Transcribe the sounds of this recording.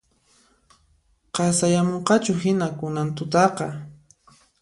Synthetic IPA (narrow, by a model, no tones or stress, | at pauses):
qɑsajamoɴqɑt͡ʃʊɦɪnakʊnant̪ʊt̪ɑqɑ